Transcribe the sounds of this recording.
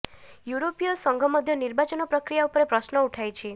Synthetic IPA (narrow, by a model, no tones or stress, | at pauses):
juɾopijɔsɔŋɡʱɔmɔd̪ʱjɔniɾbat͡ʃɔnɔpɾɔkɾijaupɔɾepɾɔsnɔuʈʰajt͡ʃʰi